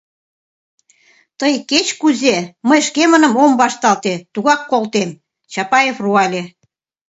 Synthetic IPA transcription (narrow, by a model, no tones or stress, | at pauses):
t̪əjket͡ɕkuzeməjʃkemənə̆mombɑʃt̪ɑlt̪et̪uɣɑkːolt̪em | t͡ɕɑpɑjefruɑlʲe